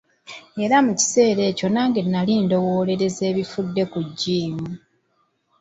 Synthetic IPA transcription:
e̞ɾamuci̥se̞ːɾe̞ːco̞naːŋɡenːaliːndo̞wo̞ːle̞ɾe̞ze̞ːβifudːe̞kuɟːiːmu

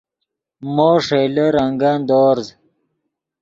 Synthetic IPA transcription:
moːʂeleɾɐŋɡand̪oːɾz

